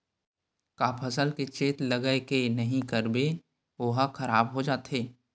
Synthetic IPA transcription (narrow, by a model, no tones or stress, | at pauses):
kaːpʰəsəlket͡ʃeːt̪ləɡəekenəɦĩkəɾbe | oɦaxʰɐɾaːbɦod͡ʒaːt̪eː